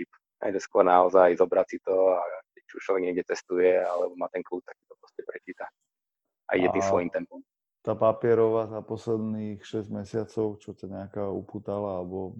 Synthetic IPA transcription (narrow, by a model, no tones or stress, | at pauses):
ip | na̰dɛskwɔɾnaɔzajzɔbɾat͡sit̪ɔakɛct͡ʃiuʃt͡ʃlɔʋɛɡɲɪɛɡɟɛt͡sɛst̪ujɛalɛbɔmaːt̪ɛnkluːp̚t̪aksi̥t̪ɔpɾɔscɛpɾɛt͡ʃiːt̪a | ʔa̰ḭɟɛimsʋɔjimt̪ɛmpɔm | t̪aːpapɪɛɾɔʋazapɔslɛd̪nixʃɛzɟmɛsɪat͡sɔʊt͡ʃɔcaɲɛakaṵpuːt̪alaalɛbɔ